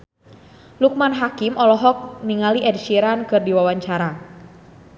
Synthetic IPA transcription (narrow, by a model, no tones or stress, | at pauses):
luk̚manɦakimʔɔlɔɦɔk̚niŋaliʔɛdsiɾankɨrdiwawaɲt͡ʃaɾa